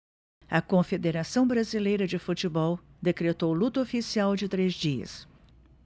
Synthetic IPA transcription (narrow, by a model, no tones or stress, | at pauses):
ɐkõfed̪eɾasɐ̃w̃bɾazilejɾɐd͡ʒɪfut͡ʃɪbɔwd̪ekɾet̪owlut̪ɐofisiawd͡ʒɪt̪ɾezd͡ʒiɐ̰s